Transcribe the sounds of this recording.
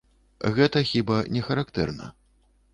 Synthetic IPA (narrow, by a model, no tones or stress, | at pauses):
ɣɛt̪ɐxʲibanʲɛxɐɾakt̪ɛ̰rnɐ̰